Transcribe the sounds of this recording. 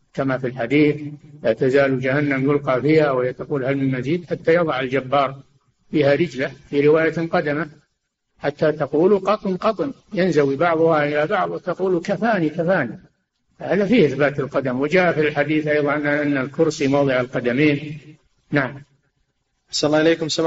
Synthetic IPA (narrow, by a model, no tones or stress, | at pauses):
kamafilħad̪iːθlat̪azaːlud͡ʒahanːamjʊlqɑfiːhawɪht̪aquːlhalmɪlmaziːd̪ħat̪ːajɑðˤɑʕald͡ʒabːɑːɾˤ | fiːhaɾɪd͡ʒlafiɾɪwaːjaqɑd̪ama | ħat̪ːat̪ɑquːluqɑt̪ˤnqɑt̪ˤnjɪnzawibɑʕðˤʊhaʔɪlabɑʕðˤt̪aquːlukafaːnikafaːni | fhaːðafiːhɪθbaːt̪alqɑd̪amwɪd͡ʒaːʔafilħad̪iːθʔɑjðˤɑnaʔanːalkʊɾsimɑwðˤɨʕalqɑd̪amiːn | naʕam | ʔaħsanlːɑːɪleːkʊmsa